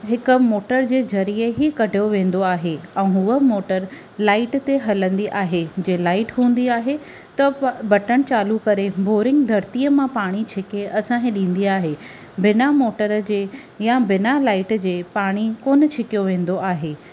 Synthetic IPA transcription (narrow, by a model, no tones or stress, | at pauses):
ɦɪkʊ̆moːʈəɾd͡ʑeːzɐɾiːəɦikɐɖʱjoʋẽːn̆d̪oaːɦeɛ̃ːɦuəmoːʈəɾ | laːɪʈt̪eɦɐlə̃nd̪iʔaːɦed͡ʑeːlaːɪʈɦũːə̃n̆d̪iaːɦe | t̪ɐbɐʈəɽ̃t͡ɕaːlukɐɾeboːɾɪ̃ŋɡd̪ʱɐɾt̪iːəmãpaːɽ̃it͡ɕʰɪkeɐsãkẽɗĩːn̆d̪iaːɦe | bɪnamoːʈəɾd͡ʑeː | jabɪnalaːɪʈd͡ʑeːpaːɽ̃ikoːnət͡ɕʰɪkijoʋẽːn̆d̪oʔaːɦeː